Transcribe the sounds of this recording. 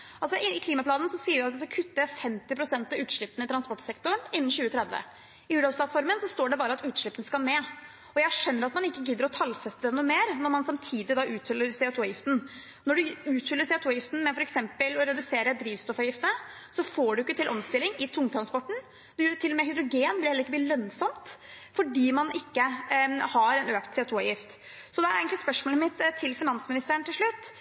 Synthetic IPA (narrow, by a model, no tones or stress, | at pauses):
ɑlsɔɪɪkʰliːmɑpʰlɑːd̪n̩sɔsiːəɾjæɑt̪d̪ɛskɑkʰʉt̪ːəjæfɛmt̪ɪpʰɾʊsɛnt̪ɑʉːt̪ʂɭɪpːənɪt̪ʰɾɑnspɔʈːsɛkt̪ʊɾɳɪnːənɕʉːət̪ʰɾɛd̪ʋə̰ | ɪʉːd̪ɑlspʰlɑt̪fɔɾmənsɔst̪oːɖɛbɑːɾəɑt̪ʉːt̪ʂɭɪpːən̩skɑlneː | ɔjæhæʂœnːəɾɑt̪mɑnɪkːəɡɪd̪ːəɾɔt̪ʰɑlfɛst̪əd̪ɛnuːmeːɾnɔɾmɑnsɑmt̪ʰiːd̪ɪd̪ɑʔʉːt̪fʏlːəɾsɛʊt̪ʰuːjɪft̪n̩ | nɔɖʉʉːt̪fʏlːəsɛʊt̪ʰuːjɪft̪n̩mɛfɔɾɛksɛmpəlɔɾɛd̪ʉseːɾəd̪ɾiːʋst̪ɔfɑjɪft̪əəsɔfoːɖʉjʏkːət̪ʰɪlʔɔmst̪ɪlːɪŋɪt̪ʰʊŋːt̪ʰɾɑnspɔʈːɳ̩ | d̪jt̪ʰɪlːɔmɛːhʏd̪ɾʊɡeːnblɪhɛləɾɪkːəb̪iːlœnsɔmt̪fɔɖiːmɑnɪkːəhɑɾɛnøːkt̪sɛʊt̪ʰuːɑjɪft̪ | sɔd̪ɛæɾeːɡənt̪lɪspœʂmoːləmɪt̪ʰːɪlfɪnɑnsmɪnɪst̪əːəɳt̪ʰɪlʂɭʉt̪ː